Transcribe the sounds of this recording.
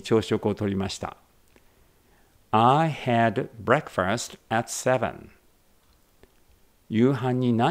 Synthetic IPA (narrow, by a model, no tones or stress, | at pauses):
t͡ɕo̞ːɕo̞kɯ̟ot̪o̞ɾʲimaɕi̥t̪a̰ | ajhæd̪bɾekfastæt̪sɛvə̰̃n | jɨːɦãɲ̟ːinã